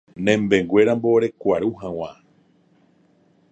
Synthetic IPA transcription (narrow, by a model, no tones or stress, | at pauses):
nẽmbẽ̞ŋɡwʷe̞ɾambo̞ɾe̞kʷaɾuhãw̃ã